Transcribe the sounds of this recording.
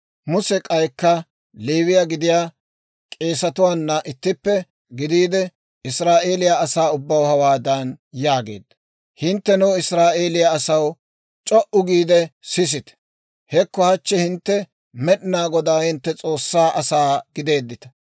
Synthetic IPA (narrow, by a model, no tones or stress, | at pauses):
mʊsɛkʼɐjkːɐ | liːβɪjaɡɪd̪ɪjaː | kʼe̞ːsɐt̪ʊwaːnːɐʔɪt̪ːɪpːɛ | ɡɪd̪iːd̪ɛ | ɪsɾaːʔe̞ːlɪjaɐsaːʊbːɐwhɐwaːd̪ɐnjaːɡe̞̰ːd̪ːɐ̥ | hɪnt̪ːɛnʊɪsɾaːʔe̞ːlɪjaːsɐw | t͡ʃʼɔʔʊɡiːd̪ɛsɪs̬ɪt̪ɛ̥ | hɛkːɔhɐt͡ʃːɛhɪnt̪ːɛ | mɛɗɪnaːɡɔd̪aːhɪnt̪ːɛt͡sʼo̞ːsːaːʔɐsaːɡɪd̪e̞ːd̪ːɪt̪ɐ̥